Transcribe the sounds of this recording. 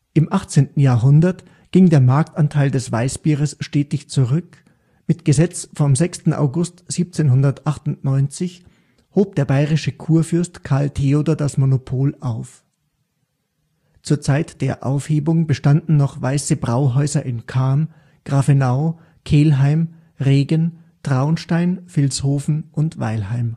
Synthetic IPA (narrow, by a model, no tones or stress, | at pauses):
ʔɪmʔaχt͡seːntn̩jaːɐɦʊndɐt | ɡ̥ɪŋdeːɐmaɐk̚tantʰaɪldɛsv̥aɪsb̥iːʁəsʃtɛːtɪçt͡suʁʏk | mɪtɡ̥əzɛt͡sfɔmzɛkstn̩ʔa̰ʊɡʊstz̥iːp̚t͡seːnɦʊndɐtʔaχtʊntnɔʏnt͡sɪç | hoːp̚d̥eːɐbaɪʁɪʃəkʰuːɐfʏɐstkʰaɐltʰeodoɐdasmonopʰoːlʔaʊf | t͡suːɐt͡saɪtd̥eːɐʔa̰ʊfheːbʊŋbəʃtandn̩ːnɔχvaɪsəbʁaʊɦɔʏzɐʔɪnkʰaɐm | ɡ̥ʁafenaʊ | kʰeːlɦaɪm | ʁeːɡən | d̥ʁ̥aʊnʃtaɪnfɪlshoːfn̩ʔʊntv̥a̰ɪlhaɪm